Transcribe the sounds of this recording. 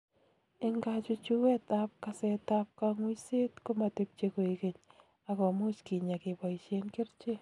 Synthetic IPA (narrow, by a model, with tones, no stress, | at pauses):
ɪ˦ŋɡa˦t͡ʃʊ˦t͡ʃu˦we˦t̪ap̚ka˨sɛ˨t̪a˦p̚kaŋwi˦se˦tko˦ma˨te˦p̚t͡ʃe˦ko˨ike˨ɲ | a˨kɔ˨mʊ˦t͡ʃki˨ɲa˨kɪ˨ba˨it͡ʃe˦nke˦ɾt͡ʃe˦